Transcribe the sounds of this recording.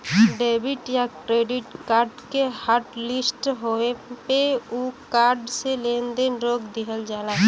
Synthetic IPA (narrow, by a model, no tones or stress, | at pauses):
ɖeːbɪʈjakɾeːɖɪʈkaːɾɖkehaːɾʈlɪsʈɦoepeukaːɾɖseleːnd̪enɾoːɡd̪iɦəld͡ʒaːlaː